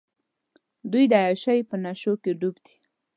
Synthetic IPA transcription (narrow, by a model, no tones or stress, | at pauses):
d̪ujd̪əajaʃajpənaʃokeɖuɡd̪i̥